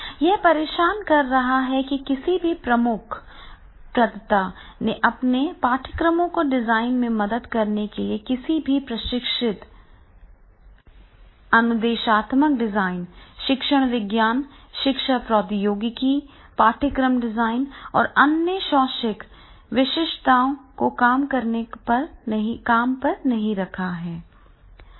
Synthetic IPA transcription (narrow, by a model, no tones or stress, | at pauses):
jɛɦpɐɾeːʃaːnkɐɾːɐɦaɦɛkikɪsibʱipɾɐmʊkʰ | pɾɐt̪t̪aneʔɐpnepaːɾʈʰəkɾəmõkoɖɪzaːɪnmẽmɐd̪əd̪kɐɾnekeliekɪsibʱipɾɐʃɪkʃɪt̪ | ɐnʊd̪eːʃaːt̪mək̚ɖɪzaːɪnʃɪkʃəɽ̃ʋɪɡjaːnʃɪkʃapɾɔːd̪joːɡki | paːʈʰəkɾəmɖɪzaːɪnɔ̰ːɾɐnjəʃɔːʃɪk | ʋɪʃɪʃt̪aːõkokaːmkɐɾnepɐɾɦĩkaːmpɐɾnɐɦĩɾɐkʰaɦɛː